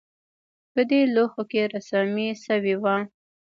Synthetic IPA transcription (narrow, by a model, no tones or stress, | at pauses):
pəd̪eloxokeɾasamisəwiwa